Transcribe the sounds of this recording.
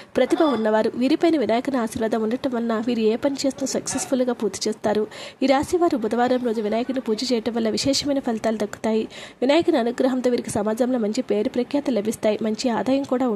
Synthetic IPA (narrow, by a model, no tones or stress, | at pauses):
pɾɐt̪ibɐmunːɐʋaːɾuʋiːɾipɐjnɐʋinaːjɐkɐnɐaːʃiɾʋɐd̪ʱɐmunːɐʈɐmʋɐnːɐʋiːɾueːpɐnit͡ʃeːst̪unsɐksesfʰulɡaːpuːɾt̪i̥t͡ʃɛːst̪aːɾuiɾaːsiʋaːɾubʱud̪ɐʋaːɾɐmɾoːd͡ʒ̪uʋinaːjɐkɐnipuːd͡ʒɐt͡ʃɛːjɐʈɐmʋɐlːɐʋiʃɛːʂɐmɐjnɐpʰɐlt̪aːlud̪ɐkːu̥t̪aːjiʋinaːjɐkɐniɐnuɡɾɐɦɐmt̪oːʋiːɾiki̥sɐmaːd͡ʒɐmlomɐɲt͡ʃipe̞ːɾupɾɐkjaːt̪ɐlɐbʱist̪aːjimɐɲt͡ʃiaːd̪aːjɐmkuːɽaːu